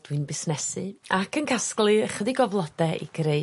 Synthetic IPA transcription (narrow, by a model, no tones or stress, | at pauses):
d̥wɨnbɪsnɛsɨakʰənkʰasklˠɨəχəðiɡɔvlˠɔd̥ɛḭɡɾeɨ